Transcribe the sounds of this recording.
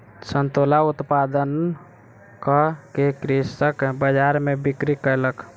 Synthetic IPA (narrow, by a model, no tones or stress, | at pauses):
sənt̪olaut̪pad̪ən | kəkekɾisəkbəd͡ʒaɾmebikɾikələk